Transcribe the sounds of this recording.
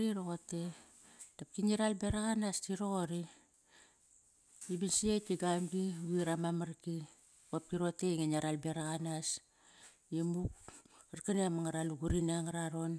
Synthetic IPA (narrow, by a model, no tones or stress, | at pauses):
ɾiɾoɣote̞ | tap̚kiniɾalbeɾaɣanastiɾoɣoɾi | ibinsietiɡamɡiɡiɾamamaɾki | pap̚kiɾo̞te̞ŋenaɾalbeɾaɣanas | jemukaɾkaniamaŋaɾaluɡuɾinaŋaɾaɾo̞n